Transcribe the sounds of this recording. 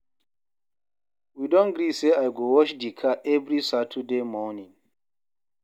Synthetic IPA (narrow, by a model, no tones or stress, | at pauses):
widɔ̃nɡɾiseajɡowɔʃdikʰaʔɛvɾisatʰudemɔnĩŋ